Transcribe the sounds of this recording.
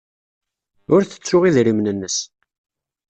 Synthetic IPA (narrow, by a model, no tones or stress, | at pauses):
ʊɾθə̥t͡sːʊʁiðɾimnənːəs